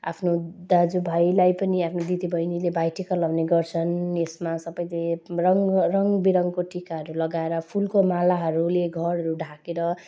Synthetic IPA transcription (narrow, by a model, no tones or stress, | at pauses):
a̰pʰnod̪ad͡zubʱajlajpʌniapʰnod̪it̪ibʱʌjnilebʱajʈikalʌbneɡʌrt͡sʰʌnesmasʌbʌjlerʌŋrʌŋbiɾʌŋkoʈikaɦʌɾulʌɡaeɾʌpʰulkomalaɦʌɾuleɡʱʌɾɦʌɾuɖʱakeɾʌ